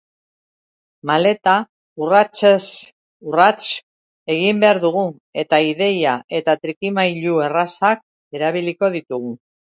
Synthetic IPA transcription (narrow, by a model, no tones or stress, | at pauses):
male̞t̪a | urat͡ʃes | urat͡ʃ | e̞ɣimbe̞aɾðuɣ̞u | e̞t̪aiðe̞jaʔe̞t̪at̪ɾikimajʎue̞rasak̚ | e̞ɾaβ̞iliko̞ð̞it̪uɣu